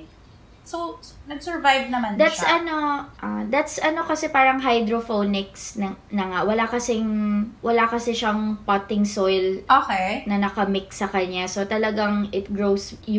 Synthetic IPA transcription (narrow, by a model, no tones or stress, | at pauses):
sosnɐɡsɛɹvajvnɐmand̪att̪sɐno̞ʔad̪at̪sʔɐno̞kɐsɛpaːɾɐŋɦɐjd̪ɾofonɪksnɐnɐŋaʔwɐlakɐsɪŋwɐlakɐsɛʃɐŋpat̪ɪŋsojlʔoːkɛnɐnɐkɐmɪksɐkɐɲːaso̞t̪ɐlɐɡaŋɪt̪̚ɡɹows